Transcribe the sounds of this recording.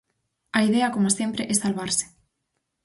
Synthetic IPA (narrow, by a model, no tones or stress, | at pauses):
ɐiðeɐkomoasjempɾeʔɛsalβaɾsɪ̥